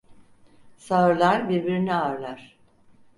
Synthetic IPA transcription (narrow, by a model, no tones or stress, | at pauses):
saɯɾlˠaɾbiɾbiɾiniaɾlˠaɾ̥